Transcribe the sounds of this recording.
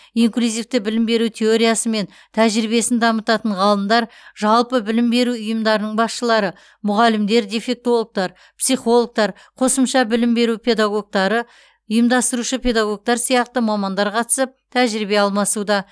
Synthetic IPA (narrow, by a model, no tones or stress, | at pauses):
iŋklʲuzijft̪ɪbɪlɪmbe̞ɾut̪ʲʰe̞oɾijasəme̞n | t̪ʰæʒɾibe̞sɪnd̪ɑmət̪ɑt̪əɴʁɑlˠəmd̪ɑɾ | ʒɑlˠpəbɪlɪmbe̞ɾuʊjəmd̪ɑɾənəɴbɑsʃəlˠɑɾə | mʊʁɑlɪmd̪e̞ɾd̪e̞fe̞k̚t̪o̞lˠok̚t̪ɑɾ | psijχo̞lˠok̚t̪ɑɾ | qʰo̞səmʃɑbɪlɪmbe̞ɾupʰe̞d̪ɑɡo̞ɡ̚t̪ɑɾə | ʊjəmd̪ɑst̪əɾuʃəpʰʲe̞d̪aɡo̞k̚t̪ɑɾsijɑqt̪əmɑmɑnd̪ɑɾqʰɑt̪ə̥səp̚t̪ʰæʒɾibe̞ɑlˠmɑsud̪ɑ